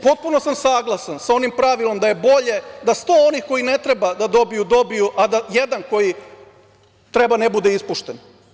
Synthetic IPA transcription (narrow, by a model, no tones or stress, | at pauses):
po̞t̪̚puno̞samsaːɡlˠasansao̞nimpɾaʋilo̞md̪aje̞bo̞ʎe̞d̪ast̪o̞onixko̞jine̞t̪ɾe̞bad̪ad̪o̞bijud̪o̞bijuʔad̪ajed̪anko̞ji | t̪ɾe̞bane̞bud̪eispuʃt̪en